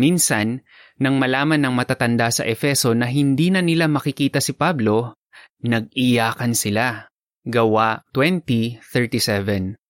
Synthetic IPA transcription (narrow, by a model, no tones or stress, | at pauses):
minsɐnː | ɐŋmɐlaːmɐnːɐŋmɐt̪at̪ɐnd̪asɐ̰ʔɛfɛso̞nɐɦɪnd̪inɐnɪlamɐkɪkiːt̪ɐsɪpablo̞ | nɐɡ̚ʔɪjaːkɐnsɪla | ɡɐwat̪wɛnt̪iθɛɹt̪isɛvɛn